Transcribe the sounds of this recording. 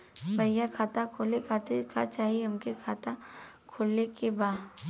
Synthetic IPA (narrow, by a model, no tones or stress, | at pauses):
bɐjakʰaːt̪akʰoːlekʰaːt̪ɪɾkat͡ʃaːɦieɐmkekʰaːt̪a | kʰoːlnekebaː